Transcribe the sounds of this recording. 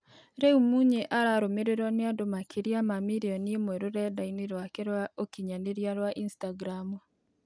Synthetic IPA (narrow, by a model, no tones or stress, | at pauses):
ɾɛumuɲeʔaɾaɾomeɾeɾɔneadomakʰiɾjamamiɾiɔnimwɛɾoɾɛdainiɾwakeɾwaokiɲaneɾjaɾwaʔinstaɡɾamu